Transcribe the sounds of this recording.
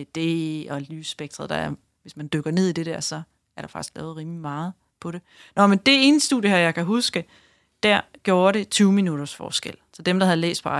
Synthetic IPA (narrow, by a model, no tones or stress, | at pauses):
d̥e̝ɒ̽lyːsːb̥eɡ̥̚d̥ʁɐð̩ˠd̥ɑ̈æɐ | ʋe̝smænd̥øɡ̥ɐne̝ð̞̰ˠid̥e̝d̥æɐ̰sɒ̽ | æɐɾ̥ɑ̈fɑ̈ɡ̥i̥sɡ̥lɛ̰ːʊð̞̩ˠʁiːmlimɑ̈ːð̞̩ˠ | pʰɒ̽ɾe̝ | nɒ̽mend̥e̝e̝ːnsd̥ṵðˠjəhæɐjɑ̈ɪkæɦusɡ̥ə | d̥æɐ̰ɡ̥jo̝ːɐɾe̝t͡sʰyːʊminuɾ̥ɐsfɒ̰ːsɡ̥el̰sɒ̽d̥emd̥ɑ̈hæð̩ˠlḛːsd̥pʰɒɑ̈